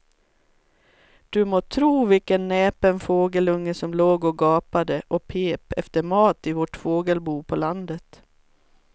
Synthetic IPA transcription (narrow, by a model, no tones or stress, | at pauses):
d̪̥ɵmoːt̪ʰɾuːvɪlkənːɛːpənfoːɡəlɵŋːəsɔmloːɡɔɡɑːpad̪əʔɔpʰeːpɛft̪əɾmɑːt̪ɪvɔʈfoːɡəlbuːpʰɔland̪ət̪